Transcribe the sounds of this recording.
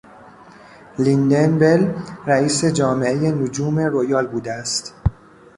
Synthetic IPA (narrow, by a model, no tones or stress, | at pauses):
lind̪enbe̞lræiːse̞d͡ʒɒːme̞eje̞nod͡ʒuːme̞rojɒːlbuːd̪eæst̪